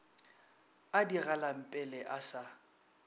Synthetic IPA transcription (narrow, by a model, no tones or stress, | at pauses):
adiɣalam̩pʼɪlɛʔasa